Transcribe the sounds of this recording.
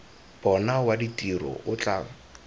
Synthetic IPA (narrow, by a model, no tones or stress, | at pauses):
b̥ɔnawaditʼirɔ̰ʔʊt͡ɬʼaːŋ